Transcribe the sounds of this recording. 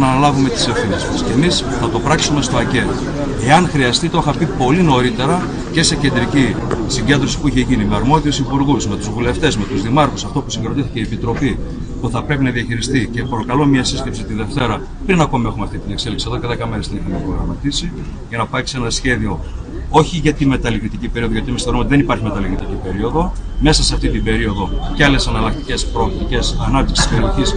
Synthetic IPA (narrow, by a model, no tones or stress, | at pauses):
nɐːnɐlɐvume̞t̪i̥sefθinezmɐsce̞misθɐt̪o̞pɾɐksume̞st̪o̞ɐce̞t̪o | e̞ɐnxɾiɐst̪it̪o̞xɐpipo̞lino̞ɾit̪e̞ɾɐ | ce̞se̞cend̪ɾicisiɲɟe̞nd̪ɾo̞si̥puiçe̞ʝinimeɐɾmo̞ðiusipuɾɣusme̞t̪uzvule̞ft̪e̞zme̞t̪uzðimɐɾxusɐft̪o̞pusiɡeɾo̞t̪iθiceiepit̪ɾo̞pi | puθɐpɾe̞pinɐðiɐçiɾist̪ice̞pɾo̞kɐlo̞miɐsisce̞psit̪iðe̞ft̪e̞ɾɐ | pɾinɐko̞mie̞xumeɐft̪it̪ine̞kse̞liksiɐðo̞ceðe̞kɐmeɾesðenixɐmepɾoɣɾɐmɐt̪isi | ʝɐnɐpɐksenɐsçe̞ðio̞ | o̞çiʝɐt̪inme̞t̪ɐlikɾit̪icipe̞ɾioðoʝot̪iemisθeɾumeot̪iðenipɐɾçime̞t̪ɐlikɾit̪icipe̞ɾio̞ðo̞me̞sɐseɐft̪it̪ibe̞ɾio̞ðo̞ceɐle̞sɐnɐlɐk̚t̪ice̞spɾo̞ːkt̪ice̞sɐnɐpt̪iksi̥sceɾioçis